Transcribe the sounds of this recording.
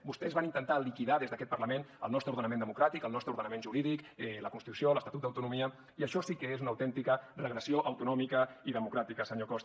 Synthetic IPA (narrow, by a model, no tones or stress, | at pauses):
bust̪ɛzβanint̪ənt̪alikiðaðezðəkɛt̪pəɾləmenə̰lˠnɔst̪ɾəuɾðənəmẽnd̪əmukɾat̪ikəlnɔst̪ɾəuɾðənəmenʒuɾiðikɛləkunst̪it̪usioləst̪at̪ut̪d̪əwt̪unumiə | iəʃɔsikəezunəwt̪ɛnt̪ikərəɣɾəsioʔəwt̪unɔmikəiðəmukɾat̪ikəsəɲokɔst̪